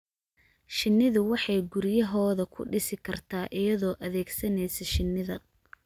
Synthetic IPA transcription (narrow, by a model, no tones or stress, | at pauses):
ʃɪnːɪðʊwɑħɑjɡʊɾjɐɦɔːðɐkʰʊ̰ɖɪsɪkʰɐrt̪ʰaːʔɪjɐðɔːʔɐðɛːɡsɐnɛjsɛʃɪnːɪðɐ